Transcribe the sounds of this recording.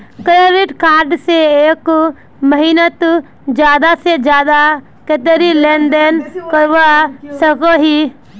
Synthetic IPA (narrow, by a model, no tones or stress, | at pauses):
kɾeɾɪʈkaːɾɖseeːk | məɦinət̪ | d͡ʒjaːd̪ased͡ʒjaːd̪a | ket̪eɾileːnɖenkəɾʋasəkoɦi